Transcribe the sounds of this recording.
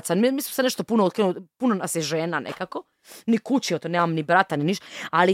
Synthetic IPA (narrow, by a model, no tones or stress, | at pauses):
t̪samimismoseneʃt̪opunoot̪kɾenupunonaseʒeːnanʔḛkako | nikut͡ɕiot̪oneːmamnibɾat̪aniniʃt̪ali